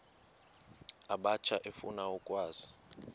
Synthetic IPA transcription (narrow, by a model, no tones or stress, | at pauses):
aɓat͡ʃʰaʔefṵnaɔkʼwaːz̥i̥